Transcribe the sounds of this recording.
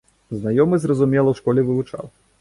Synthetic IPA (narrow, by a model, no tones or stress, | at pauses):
znajɔmɨzrɐzumʲɛlˠɐwʂkɔlʲɛvɨvut͡ʂa̰w